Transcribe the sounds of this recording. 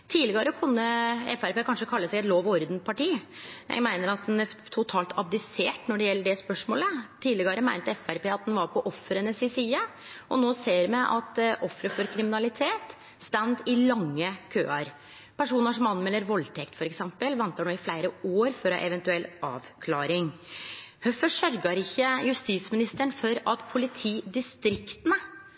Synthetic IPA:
t̪ʰiːlɪɡəɾəkʰʉnːəɛfæɾpeːkʰɑnʂəkʰɑlːəsɛɡɛt̪loːʋɔɾd̪npʰɑʈiːjæ̰mæɪnəɾɑt̪̚d̪ɛnæɾt̪ʰʊt̪ʰɑːlt̪ʰɑb̚d̪ɪseːʈnɔɖɛjɛlːəɖɛspœʂmoːlət̪ʰiːd̪lɪɡəɾəmæɪnt̪əɛfæɾpeːɑt̪̚d̪ɛnʋɑɾpʰɔʔɔfːɾənəsɪsiːə | ʔɔnoːseːɾmæʔɑt̪ʔɔfːɾəfɔɾkʰɾɪmɪnɑlɪt̪ʰeːt̪ | st̪ænd̪ɪlɑŋːəkʰø̰ːɑɾ | pʰæʂuːnəʂɔmɑnmɛlːəɾʋɔlːt̪ʰɛkt̪fɔɾɛksɛmpəlʋɛnt̪əɳoːɪflæɪɾəoːɾfɔɾɔhɑ̰ʔɛʋɛnt̪ʉɛlɑ̰ːʋkʰlɑːɾɪŋ | hœfəʂœɾɡɑɾɪçːəjʉst̪iːsmɪnɪst̪əɳfɔɾɑt̪pʰʊlɪt̪ʰiːd̪ɪst̪ɾɪkt̪ənə

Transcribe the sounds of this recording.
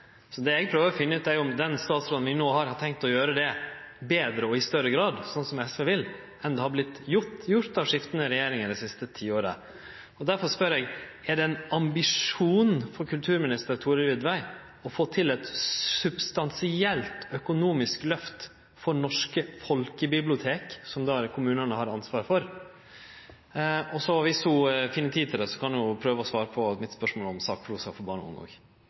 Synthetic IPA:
sɔd̪ɛɛɡ̚pʰɾøːʋəɾɔfɪnːəʉːt̪æɾjʊʊmd̪ɛnst̪ɑːt̪sɾoːd̪n̩ʋɪnoːhɑɾhɑtʰɛŋk̚t̪ɔjøːɾəd̪ɛ | beːd̪ɾəɔɪst̪œɾəɡɾɑːd̪sɔnsɔmɛsʋɛʋɪl | ɛnd̪ɛhɑɾblɪt̪ːjʊt̪jʊɾt̪ɑʋʂɪft̪ənəɾɛjeːɾɪŋəd̪ɛɪsɪst̪ət̪ʰiːoːɾə̰ | ɔd̪æɾfɔʂpœɾɛɡæɖɛɛnɑmbɪʂuːnfɔɾkʉlt̪ʰʉːɾmɪnɪst̪əɾt̪ʰuːɾəʋɪd̪ʋæɪ | ɔfoːt̪ʰɪlɛt̪sʉbst̪ɑnsɪɛlt̪œkʊnuːmɪsklœft̪ | fɔɾɳɔʂkəfɔlkəbɪblɪʊt̪ʰeːksɔmd̪ɑɾkʰʊmʉːnənəhɑɾɑnsʋɑːɾfɔɾ | ɔsɔʋɪshʊfiːnət̪ʰiːt̪ʰɪlɛsɔ̥kʰɑnd̪ʊjʊpʰɾøːʋəɔsʋɑːɾəpʰɔmɪt̪spœʂmoːlɔmsɑːk̚pʰɾuːsɑfɔɾbɑːɳə̰ʊ̰ŋɑ̰ːɡ

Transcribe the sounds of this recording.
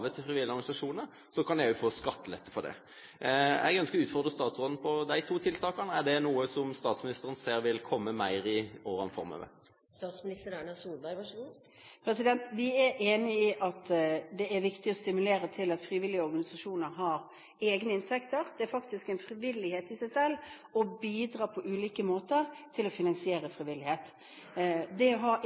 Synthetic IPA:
ʋət̪ʰɪfʁɪʋɪlːɪɔɾɡmnɪsɑʂuːnə | sɔkʰɑnjæʊfoːskɑt̪ːəlɛt̪ːəfɔd̪ɛ̰ | ɛ̰ɡœnsklʉːt̪fɔʁd̪ʁəst̪ɑːt̪sʁoːd̪n̩pʰɔd̪æɪt̪ʰuːt̪ʰɪlt̪ʰɑːkɑnæɖɛnuːəsɔmst̪ɑːt̪smɪnɪst̪əɾənseːɾʋɪlkʰɔmːəmæɪɾɪoːɾɑ̰nfɔ̰ʁmø̰ːʋə̰ | st̪ɑːt̪smɪnɪst̪əɾæɳɑsuːlbæɪʋɑʂəu | pʰɾɛsɪd̪ɛnt̪ʋɪæɾʔeːnɪiʔɑt̪d̪ɛæɾʋɪkt̪ɪɔst̪ɪmʉleːɾət̪ʰɪlɑt̪fɾiːʋɪlːɪəɔɾɡɑnɪsɑʂuːnəɾɦɑɾ | eːɡnəɪnt̪ʰɛkt̪əɾd̪̥ɛæɾfɑkt̪ɪskɛɪnfɾɪʋɪlɪheːt̪ɪsæɪsɛlː | ɔbiːd̪ɾɑːpʰɔʔʉːliːkəmoːt̪əɾt̪ʰɪlɔfɪnɑnsɪeːɾəfɾɪʋɪlɪheːt̪ | d̪ɛɦɑ

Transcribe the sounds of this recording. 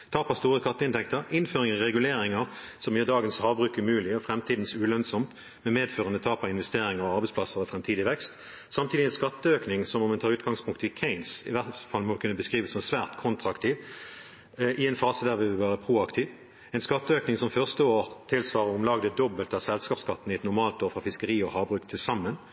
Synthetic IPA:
t̪ʰɑːpɑst̪uːʁəkʰɑt̪ːəɪnt̪ɛk̚t̪əʁɪnføːʁɪŋɑʁɛɡʉleːɾɪŋəʁsɔmjɛd̪ɑːɡənshɑːbʁʉːkmʉːlɪɔfʁɛmt̪ʰiːd̪n̩sʉlœnsɔmt̪ | mɛmeːd̪føːʁənət̪ʰɑːpɑɪnʋɛst̪eːɾɪŋəʁɔɑʁbɛɪspʰlɑsəʁɔfʁɛmt̪ʰiːd̪ɪʋɛkst̪ | sɑmt̪ʰiːd̪ɪɛnskɑt̪ːəøːknɪŋsɔmmɛnt̪ɑːʁʉːt̪̚ɡɑŋspʰʊŋkt̪ɪkʰɛɪnsɪ̰ʋæʁfɑlmɔʋɪkʰʉnːəbəskʁiːʋəsɔmsʋæːʁt̪kʰɔnt̪ʁɑɑkt̪ʰiːʋ | ʔɪɛɪnfɑːsəd̪æːʁʋɪʋɪlʋæːʁəpʰʁuːɑkt̪ʰiːʋ | ɛɪnskɑt̪ːəøːknɪŋsɔmfœʁst̪əoːʁt̪ʰɪlsʋɑːʁəʁʊmlɑːɡd̪əd̪ɔbəlt̪ɑsɛlskɑːpskɑt̪ːnɪɛt̪nʊʁmɑːlt̪oːʁfʁɑfɪskəɾiːɔhɑːbʁʉːkt̪ʰɪlsɑmːən

